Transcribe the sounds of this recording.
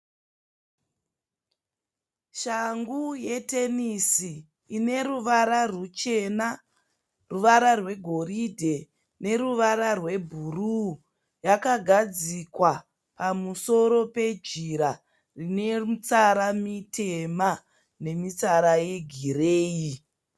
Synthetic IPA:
ʃaŋɡuje̞tenisiː | ne̞ɾuʋaɾarut͡ʃe̞na | ruʋaɾarwe̞ɡʱo̞ɾidʱe̞ | ne̞ɾuʋaɾarwe̞bʱuru | jakaɡʱad͡zikwa | pamuso̞ɾo̞pe̞d͡ʒiɾa | rine̞t͡saɾamitʰe̞ma | ne̞mit͡saɾaje̞ɡʱiɾeːi

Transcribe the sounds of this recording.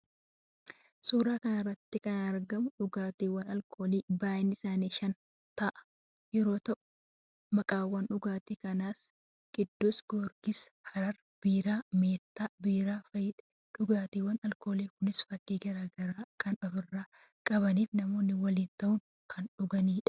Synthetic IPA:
suːɾaːkɐnɐrːɐt̪ːɪkɐnɐɾɡɐmʊᶑʊɡaːt̪iːwɐnɐlkʰoːliːbaːjɪnɪsaːniːʃɐn | t̪ɐʔɐ̥ | jɛɾo̞ːt̪ɐʔʊ̥ | mɐkʼaːwːɐnᶑʊɡaːt̪iːkɐnaːs | ɡ̥ɪd̪ːosɡ̥oːɾɡɪshɐɾɐɾ | b̥iːɾaːmeːt̪ːaːbiːɾaːfɐjɪᶑɐ̥ | ᶑʊɡaːt̪iːwːɐnɐlko̞ːliːkʊnɪsfɐkːiːɡɐɾaːɡɐɾaːkɐnɔfɪrːaː | kʼɐβɐniːfnɐmo̞ːnːɪwɐliːnt̪ɐʔʊŋ | kʰɐnᶑʊɡɐniːᶑɐ̥

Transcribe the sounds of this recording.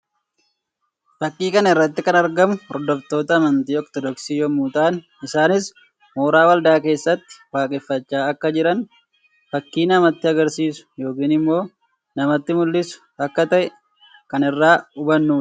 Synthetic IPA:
fɐkːiːkɐnɐɪrːɐt̪ːɪkɐnɐɾɡɐmʊɔɾd̪ɔft̪o̞ːt̪ɐːmɐnt̪iːɔkt̪ɔd̪ɔksiːjɔmuːt̪aːn | ɪsaːnɪs | moːɾaːwɐld̪aːke̞ːsːɐt̪ːɪ̥waːkʼɛfːɐt͡ʃːaːɐkːɐd͡ʒɪɾɐn | fɐkːiːnɐmɐt̪ːɪɐɡɐɾsiːsʊ̥jo̞ːkiːnɪmːo̞ː | nɐmɐt̪ːɪmʊlːɪsʊ̥ɐkːɐt̪ɐʔɛ | kɐnɪrːaːʊbɐnːuːɐ̥

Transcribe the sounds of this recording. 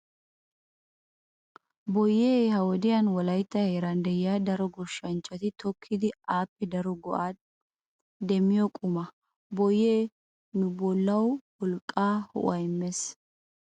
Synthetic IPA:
bɔjːeːhɐwɔd̪ɪjɐnwɔlɐjt̪ːɐheːɾɐnd̪ɛjɪjad̪ɐɾɔɡɔʃːɐnt͡ʃʼːɐt̪ɪt̪ʰɔkʰːɪd̪ɪaːpːɛd̪ɐɾɔɡɔʔaː | d̪ɛmːɪjɔkʼʊmɐ | bɔjːeː | nʊbɔlːɐwwɔlkʼːaːhɔ̰ʔɐjɪmːes

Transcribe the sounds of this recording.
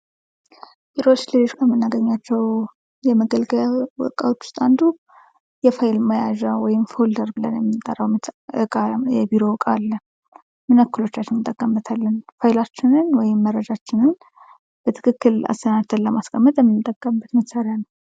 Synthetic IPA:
biɾot͡ʃːlelo̞t͡ʃkʰəmənːaɡəɲːat͡ʃːɛw | jɛməɡəlɡəawɔ̰kʼa̰wot͡ʃːu̥st̪ʼand̪u | jɛfajɪlməjaʒawɔjɪmfold̪əɾbɨlə̰njɛmːɨnt̪ʼːə̰rːəwmt̪ɨkʼajɛbiɾo̞wkʼalːə | mɨnəkːɨlo̞t͡ʃːat͡ʃːɪnɨt̪ʼːəkʼːəmːət̪ʰalːənfajɪlat͡ʃːɪnɨnwɔjɪmːərːəd͡ʒat͡ʃːɪnɨn | b̥ət̪ʰɨ̥kʰɨkːɨla̰st̪ənad̪t̪ʰənləmaskʰʼəmːət̪ʼjɛmːɨnt̪ʼːəkʼːəmbːət̪məsaɾjanəw

